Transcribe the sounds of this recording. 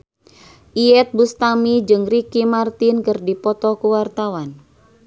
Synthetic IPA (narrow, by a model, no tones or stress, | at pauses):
ʔiɛt̪̚bust̪amid͡ʒɨŋrikimart̪inkɨrdipɔt̪ɔkuwart̪awan